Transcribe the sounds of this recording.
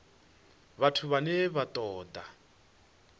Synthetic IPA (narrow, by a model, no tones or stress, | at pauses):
βatʰuβanɛβat̪ʼɔːd̪a